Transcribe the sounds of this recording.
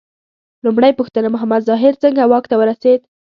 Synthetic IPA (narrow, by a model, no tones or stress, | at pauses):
lumɽəjpʊxt̪ənamʊɦamad̪zɑɦɪɾt͡səŋɡawɑkt̪awəɾased̪